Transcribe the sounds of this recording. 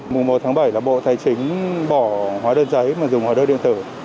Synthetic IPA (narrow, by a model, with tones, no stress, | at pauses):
mʊ˨˩ŋ͡mmo˨˩t̚t̪ʰaː˨˦ŋɓa˧˩jlaː˨˩ɓo̰˧˨t̪ʰaː˨˧˩jt͡ɕï˨˦ŋ̟ɓɔ˧˩hwaː˨˦ɗəː˧nzə˨˦jmaː˨˩zʊ˨˩ŋ͡mhwaː˨˦ɗəː˧ɗḭ˧ənt̪ɨː˧˩